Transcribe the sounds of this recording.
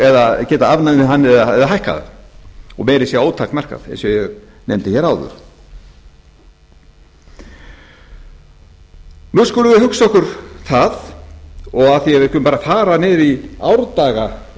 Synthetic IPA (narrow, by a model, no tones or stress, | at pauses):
ɛðacɛːt̪aavnajnɪɦanːɪɛðaɛðaɦajhka̰ðɪ̰ | ɔ̰ɣmɛjɾɪsjɛoːwt̪ʰakmɛr̥ka̰ðɛ̰nsɛɛɣ | nejmt̪ɪçɛɾaːwðʏ̰ɾ̥ | nuskuːlʏvɪhʏksɔhkʏɾ̥θað | ɔɣaθiɛvɪhkʏmpaːɾafaːɾanɪːɾia̰wɾt̪aːɣa